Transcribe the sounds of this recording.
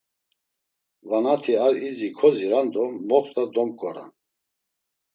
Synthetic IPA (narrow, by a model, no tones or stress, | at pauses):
vanat̪ʰiaɾizikʰɔziɾand̪ɔmɔχt̪ad̪ɔmkʼɔɾa̰n